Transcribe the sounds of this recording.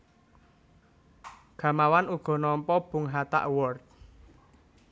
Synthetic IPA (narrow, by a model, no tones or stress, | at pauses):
ɡ̥ä̤mawanuɡ̥ɔ̤nɔmpɔb̥ṳŋɦat̪a̰ʔwɔrt̪̚